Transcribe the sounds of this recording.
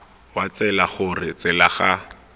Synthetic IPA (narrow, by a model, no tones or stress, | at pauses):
wat͡sɛlaχʊrɪt͡sɪlaχa